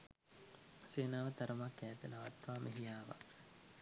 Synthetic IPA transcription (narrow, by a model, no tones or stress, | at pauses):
seːnaːʋət̪ɐɾəmakːæːt̪ənaʋat̪ʋaːmʔeɦijaːʋa̰